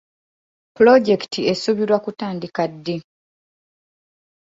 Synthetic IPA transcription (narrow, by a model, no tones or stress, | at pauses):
pulo̞ɟe̞ktʰiesuβiɾwakutaːndikadːe